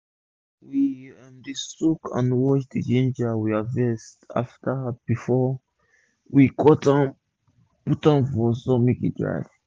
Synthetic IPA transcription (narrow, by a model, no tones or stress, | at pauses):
wiɛ̃ndisukʰã̰nwɔt͡ʃdid͡ʒẽnd͡ʒawiavɛsta̰ftab̥ifɔ | wikʰɔtãm | putãmfɔsɔmikḭdɹa̰jv